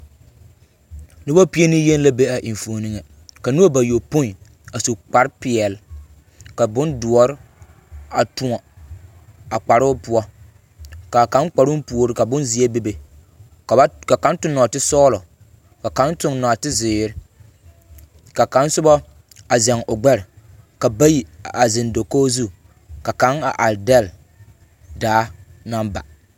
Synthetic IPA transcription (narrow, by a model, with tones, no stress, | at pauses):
nʊ˦bɔ˦pi˦e˦ni˦je˦n˦la˦be˦a˨ʔɪ˨ɱ˨fo˨ni˦ŋɛ˨ | ka˨nu˦ba˨jo˨po˦n˨ | a˨su˨k͡pa˨ɾpɪ˨ɛ˨l | ka˨bʊ˦ndʊ˨ɔ˨ɾɪ˦ | a˨tʊ˨ŋɔ˨ | a˨k͡pa˨ɾʊ˦pʊ˦ɔ˦ | ka˨ka˨˦nk͡pa˨ɾʊ˦m˦pu˨o˨ɾɪ˦ka˨bʊ̃˦nzi˨ɛ˦be˦be˨ | ka˨˦ka˨ka˨˦n˦tʊ˦nːɔ˨tɪ˦sɔː˦lɔ˨ | ka˨ka˦ntʊ˦ŋnɔ˨a˨tɪ˦zɪː˨˦ɾɪ˦ | ka˨ka˨˦nsʊ˦bɔ˦ | a˨zɛ˨ŋʊ˨ɡ͡bɛ˦ɾɪ˨ | ka˨ba˦ji˨a˨zɪ˨ndo˨koː˦zu˦ | ka˨ka˦ŋa˨ʔa˨ldɛ˦˨l | daː˨˦na˦mba̰˨